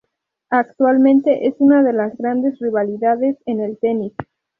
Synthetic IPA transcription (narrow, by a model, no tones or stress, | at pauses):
ak̚t̪walmẽnt̪e̞ʔesunaðelazɣɾand̪e̞zriβ̞aliðaðe̞sene̞lt̪enis